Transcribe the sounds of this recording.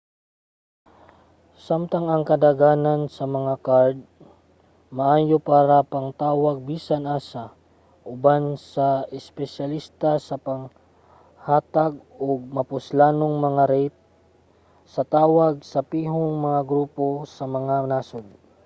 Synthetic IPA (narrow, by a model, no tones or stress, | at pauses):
samt̪ɐŋɐŋkɐd̪aɡaːnansɐmɐŋakaɹd̪̚ | mɐʔaːjopaːɾɐpɐŋt̪aːwɐɡ̚biːsanʔaːsa | ʔʊbansɐʔɪspɛʃɐlist̪ɐsɐpɐŋ | haːt̪aɡ̚oɡ̚mɐpʊslaːnoŋmɐŋaɾɛjt̪̚ | sɐt̪aːwɐɡ̚sɐpiːɦoŋmɐŋaɡɾuːpo̞sɐmɐŋanaːsod̪̚